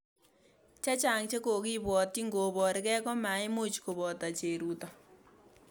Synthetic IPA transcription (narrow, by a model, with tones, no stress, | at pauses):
t͡ʃa˦t͡ʃa˨ŋt͡ʃe˦ko˨kɪ˦bwɔ˨ti˦ŋɡo˨bɔ˨ɾɪ˨kɛ˦kɔ˦ma˨˦ɪ˦mo˦t͡ʃko˨bɔ˨ta˨t͡ʃe˨ɾu˦tɔ˨